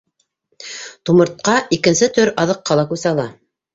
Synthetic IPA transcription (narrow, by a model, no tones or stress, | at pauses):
t̪umɤ̆ɾt̪̚qɑikɘ̆nsɘt̪ɵɾɑðɤ̆qːɑlˠɑkʉsɑlˠɑ